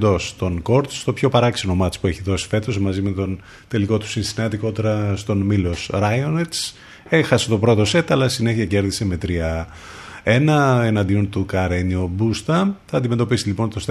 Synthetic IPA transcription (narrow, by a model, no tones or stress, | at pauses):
d̪o̞st̪o̞nko̞ɾt̪t̪o̞pço̞pɐɾɐksino̞mɐt͡spue̞çiðo̞si̥fe̞t̪o̞zmɐzime̞t̪on | t̪e̞liko̞t̪u̥sinsinɐt̪iko̞t̪e̞ɾɐst̪o̞nmilo̞sɾɐjonet͡s | exɐse̥t̪o̞pɾo̞t̪o̞se̞t̪ɐlɐsine̞çiɐce̞ɾðise̞me̞t̪ɾiɐ | e̞nɐenɐnd̪io̞nt̪ukɐɾeniobust̪ɐθɐːnd̪ime̞t̪o̞pisilipo̞nt̪ost̪